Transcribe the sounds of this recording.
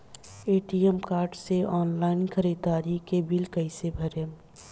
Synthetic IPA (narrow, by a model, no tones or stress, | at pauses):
eːʈijemkaːɾɖseʔɔːnlaːɪnkʰəɾiːd̪aːɾikebilkəɪsebʱəɾem